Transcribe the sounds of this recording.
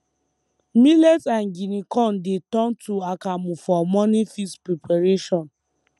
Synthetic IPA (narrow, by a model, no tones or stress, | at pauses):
milɛtanɡinĩkɔ̃ndetɔ̃ntʰuakamũfɔmɔ̃nĩfispɹepʰaɾeʃɔ̃n